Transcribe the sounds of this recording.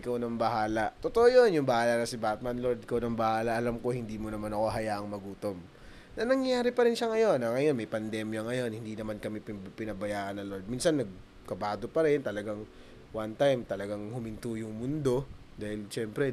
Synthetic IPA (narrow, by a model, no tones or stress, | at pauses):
ɪkɐwnɐŋbɐɦaːlɐʔt̪ot̪oʔojonjʊŋbɐhaːlɐnɐsɪbat̪̚mɐnlo̞d̪̚ɪkawnɐŋbɐhaːlɐʔɐlamko̞hɪnd̪iːmonɐmanɐko̞ɦɐjaːʔɐŋmɐɡuːt̪om | nɐnɐŋjaːɾɪpɐɾɪnʃɐŋɐjo̞nɐŋɐjonmɐjpɐnd̪ɛmjɐŋɐjo̞nhɪnd̪iːnɐmankɐmipɪpɪnɐbɐjaːʔɐnːɐloɹd̪̚minsɐnːɐɡ̚ | kɐbaːd̪opɐɾɛnt̪ɐlɐɡaŋ | want̪ajmt̪ɐlɐɡaŋhʊmɪnt̪uːjʊŋmʊnd̪o̞ | d̪aːhɪlʃɛmpɾɛ